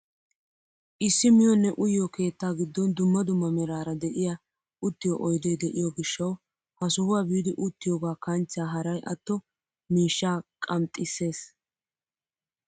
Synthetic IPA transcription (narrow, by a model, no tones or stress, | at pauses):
ʔɪsːɪmɪjɔnːɛʔʊjːɔke̞ːt̪ːaːɡɪd̪ːɔnd̪ʊmːɐd̪ʊmːɐmɛɾaːɾɐd̪ɛʔɪja | ʔʊt̪ːɪjɔʔɔjd̪eːd̪ɛʔɪjɔɡɪʃːɐw | hɐsʊhʊwaːbiːd̪ɪʔʊt̪ːɪjɔɡaːkɐnt͡ʃːaːɦɐɾɐjʔɐt̪ːɔ | miːʃːaːkʼɐmt̪ʼːɪsːe̞ːs